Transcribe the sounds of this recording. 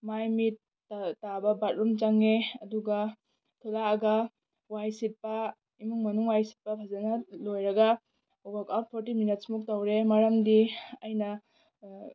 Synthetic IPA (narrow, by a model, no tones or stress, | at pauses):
majmitː | abɐbat̚ɾumt͡ʃaŋeɐduɡɐ | tʰulaːɡɐ | wajsit̚pɐ | imuŋmɐnuŋwajsi̥t̚pɐpʰazanɐlojɾɐɡɐ | ɔɡakap̚pʰɔɾtiminit̚smuk̚tawɾemaɾɐmdiɐjnɐ